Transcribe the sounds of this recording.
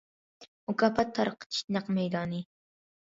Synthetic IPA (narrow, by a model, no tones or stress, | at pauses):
ʊkɑpɑt̪ʰːɑɾqə̥t̪ʰi̥ʃt̪nɑqmɛjd̪ɑːni